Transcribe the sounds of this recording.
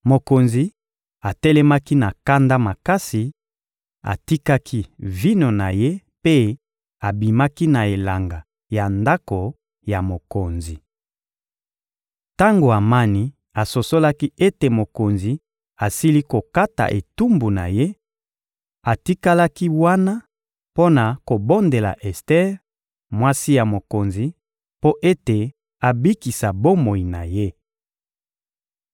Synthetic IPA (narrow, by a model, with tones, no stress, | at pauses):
mo˨ko˨nzi˨ | a˨tɛ˦lɛ˦ma˦ki˦na˨ka˦nda˦ma˨ka˦si˨ | a̰˨ti˦ka˦kʰi˦vi˦no˨na˨je˦ | pe˦ | a˨bi˨ma˦ki˦na˨e˨la˨ŋɡa˨ | ja˨nda˦ko˨ | ja˨mo˨ko˨nzi˨ | ta˦ŋɡo˨a˨ma˦ni˦ | a˨so˨so˦la˦ki˦e˦te˨mo˨ko˨nzi˨ | a˨si˦li˦ko˨ka˦ta̰˨ʔe˨tu˦mbu˨na̰˨je˦ | a˨ti˦ka˦la˦ki˦wa˦na˦ | po˦na˨ko˨bo˦nde˨la̰˨ʔɛ˨stɛ˦ʁ | mwa˦si˦ja˨mo˨ko˨nzi˨ | po˦ʔe˦te˨ | a˨bi˦ki˨sa˨bo˦mo˨i˨na˨je˦